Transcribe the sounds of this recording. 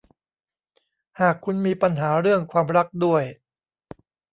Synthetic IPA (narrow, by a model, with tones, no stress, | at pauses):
haː˨˩kʰːu˧nmiː˧pa˧nɦaː˩˦ɾɯ˥˩əŋkʰwaː˧mɾa˦˥k̚du˥˩əj